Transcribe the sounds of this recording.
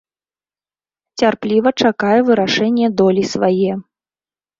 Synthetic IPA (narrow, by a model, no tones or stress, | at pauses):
t͡sʲarplʲivɐt͡ʂakajɛvɨɾaʂɛnʲːɛd̪ɔlʲisvajɛ